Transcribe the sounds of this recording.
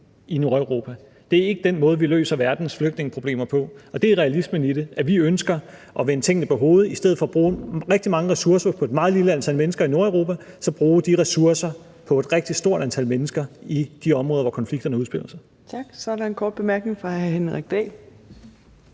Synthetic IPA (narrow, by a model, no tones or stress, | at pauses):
ino̝ɐeʊʁo̝ːpʰæ | d̥e̝æɐe̝ɡ̥əd̥enmɔ̽ːð̞̩ˠʋilø̰ːsɐʋæɐd̥n̩sfløɡ̥̚d̥ne̝ŋəpʰʁo̝b̥e̝̰ːmɐpʰɒ̽ɒ̽d̥e̝æɐʁɛælisməniɾeʔæʋiønsɡ̥ɐ | ʔɒ̽ʋent͡sʰeŋ̰n̩əpʰɒ̽ɦo̝ːð̞̩ˠisd̥eð̰̩ˠfɒ̽ːb̥ʁuːʁɛɡ̥̚d̥imɑ̈ŋəʁɛsuɐsɐpʰɒ̽e̝d̥mɑ̈ːð̞̩ˠliləænt͡sʰælmenəsɡ̥ɐino̝ɐəʊʁo̝ːpʰæsɒ̽b̥ʁuːd̥iʁɛsuɐsɐ | pʰɒ̽e̝d̥ʁeɡ̥̚d̥i̥sd̥o̝ɐ̰ɾænt͡sʰælmenəsɡ̥ɐid̥iɒ̽mʁɔ̽ːðˠʋɒkʰɒ̽nfliɡ̥̚d̥ɐnəuðˠb̥e̝l̰ɐsɑ̈ɪ | t͡sʰɑɡ̥sɒæɐɾɑ̈enkʰɒːd̥̚b̥e̝mæɐɡ̥ne̝ŋfɑhæhenʁɛɡ̥̚d̥ɛ̰ːl